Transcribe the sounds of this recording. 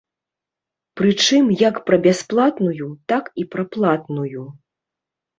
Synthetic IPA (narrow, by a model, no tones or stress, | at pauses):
pɾɨt͡ʂɨmjɐkpɾɐbʲasplˠat̪nujut̪akipɾɐplˠat̪nuju